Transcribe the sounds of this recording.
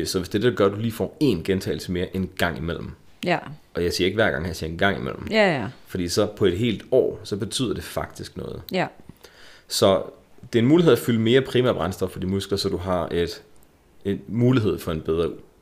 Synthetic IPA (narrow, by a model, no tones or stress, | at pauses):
sɒ̽ʋe̝sd̥e̝d̥ɡ̥ɶɐd̥uliːfɒ̰ːe̝nɡ̥ent͡sʰɛ̰ɪl̩səme̝ːɐʔe̝nɡ̥ɑ̈ŋ̰imel̰m̩ | ɒ̽jɑ̈ɪsḭːɐe̝ɡ̥ʋæɐ̰ɡ̥ɑ̈ŋ̰hæsiɐe̝nɡ̥ɑ̈ŋ̰imḛl̰m̩fɒ̽d̥ḭːsɒ̽pʰɒ̽e̝d̥ɦe̝̰ːld̥ɒ̰ːsɒ̽b̥e̝t͡sʰy̰ð̰ˠɐd̥e̝fɑ̈ɡ̥̚d̥isɡ̥nɔ̽ːð̞̩ˠ | sɒ̽ | d̥e̝ːɐenmuːliɦḛæfyləme̝ːɐpʰʁiːmæɐb̥ʁänsd̥ɒb̥fɒ̽d̥imusɡ̥lɐsɒ̽d̥uɦɑ̈e̝d̥ | enmuːliɦe̝ð̞̰ˠfɒ̽e̝nb̥eð̞ˠʁɐ